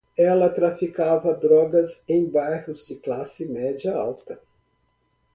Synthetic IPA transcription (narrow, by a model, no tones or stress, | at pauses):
ɛlɐt̪ɾafikavɐd̪ɾɔɡɐzẽj̃bajhʊzd͡ʒɪklasɪmɛd͡ʒiɐawt̪ɐ